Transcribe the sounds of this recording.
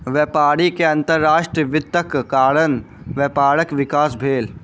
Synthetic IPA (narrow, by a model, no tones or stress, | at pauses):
ʋɛpaːɽikeɐ̃nt̪əɾːaːʃʈɾəʋɪd̪əkkaːɾən | ʋepaːɾəkʋɪkaːsbʱeːl